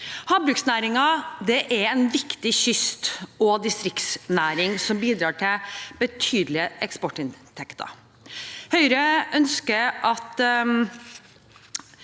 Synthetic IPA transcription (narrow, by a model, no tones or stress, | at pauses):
hɑːbɾʉksnæːɾɪŋɑd̪ɛʔɛɾɛnʋɪkt̪ɪçʏst̪ɔd̪ɪst̪ɾɪk̪snæːɾɪŋsɔmbiːd̪ɾɑːʈʰɪlb̥ət̪ʰyːd̪lɪəʔɛkspɔʈɪnt̪ʰɛkt̪ʰɑ̰ | hœʏɾəʔœnskəɾʔɑt̪